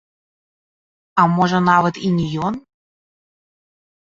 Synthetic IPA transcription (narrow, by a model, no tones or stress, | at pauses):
ɑmoʒɤ̆nɑβɤ̆t̪inʲijon